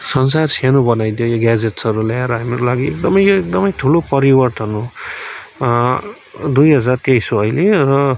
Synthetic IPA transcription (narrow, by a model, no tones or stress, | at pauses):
sʌnsarsanobʌnajd̪jojoɡad͡zeʈsʌɾuljaeɾʌɦamiɾolaɡiḛk̚d̪ʌmʌjoek̚d̪ʌmʌjt̪ʰulopʌɾibʌrt̪ʌnu | d̪ujɦʌd͡zart̪jajt͡sʰõʌjlerʌ